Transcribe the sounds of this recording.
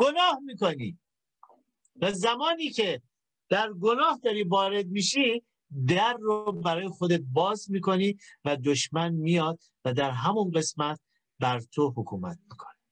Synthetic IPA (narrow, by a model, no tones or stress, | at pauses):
ɡ̥onɒːhmiːkonḭː | væzæmɒːniːcʰe̞ | d̪̥æɾɡo̞nɒːhd̪ɒːɾiːvɒːɾe̞d̪̚miːʃi | d̪æɾːobæɾɒːjexod̪e̞t̪̚bɒːzmiːko̞niːvæd̪oʃmænmijɒːd̪̚ | væd̪æɾɦæmunɢe̞smæt̪̚ | bæɾt̪ʰohokʰṵːmæt̪̚miːkʰoni